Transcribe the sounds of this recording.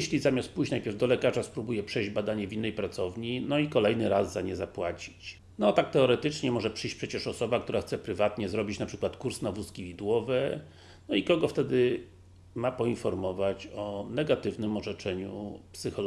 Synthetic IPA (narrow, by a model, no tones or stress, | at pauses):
ɕlʲizamʲjast̪̚pujɕt͡ɕnajpʲjɛɾvd̪ɔlɛkaʐaspɾubujɛpʂɛjd͡ʑbad̪aɲɛvʲinːɛjpɾat̪sɔvɲinɔikɔlɛjnɘɾazːaɲɛzapwat͡ɕi̥t͡ɕ | nɔt̪ak̚t̪ɛɔɾɛt̪ɘt͡ʂɲɛmɔʐɛpʂɘjɕt͡ɕʲpʂɛt͡ɕɛʂɔsɔbakt̪uɾaxt̪sɛpɾɘvat̪ɲɛzɾɔbʲit͡ɕnapʂɘkwat̪kuɾsnavuskʲivʲid̪wɔvɛ | nɔikɔɡɔft̪ɛd̪ɘ | mapɔinfɔɾmɔvat͡ɕɔnɛɡat̪ɘvnɘmɔʐɛt͡ʂɛɲṵpsɘxɔl